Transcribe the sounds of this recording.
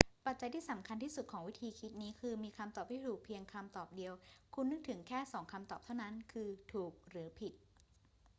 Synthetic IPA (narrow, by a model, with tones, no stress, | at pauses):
pa˨˩t̪̚t͡ɕa˧jt̪ʰiː˥˩sa˩˦mkʰa˧nt̪ʰiː˥˩su˨˩t̪̚kʰɔː˩˦ŋwi˦˥t̪ʰiː˧kʰi˦˥t̪̚niː˦˥kʰɯː˧miː˧kʰa˧mt̪ɔː˨˩p̪̚ʰiː˥˩t̪uː˨˩k̚pʰi˧əŋkʰa˧mt̪ɔː˨˩p̚di˧əwkʰu˧nːɯ˦˥k̚t̪ʰɯ˩˦ŋkʰɛː˥˩sɔː˩˦ŋkʰa˧mt̪ɔː˨˩p̚t̪ʰa˥˩wna˦˥nkʰɯː˧t̪ʰuː˨˩k̚ɾɯː˩˦pʰi˨˩t̪̚